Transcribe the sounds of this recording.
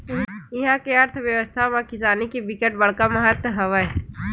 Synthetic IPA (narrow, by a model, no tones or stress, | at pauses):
ɪɦãkeɐɾt̪ʰʋjəʋəst̪ʰamãkɪsaːnikibɪkeʈ̚bɐɽkamɐɦət̪ɦɐʋə